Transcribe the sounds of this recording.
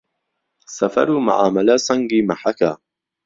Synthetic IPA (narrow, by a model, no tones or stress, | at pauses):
sɐfɐ̰ɾuːma̰ʕaːmɐlasɐŋɡiːmaħaka